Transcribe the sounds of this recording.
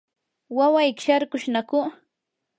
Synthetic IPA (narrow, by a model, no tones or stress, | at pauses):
wawajkɪ̥ʃaɾkʊʃnakʊ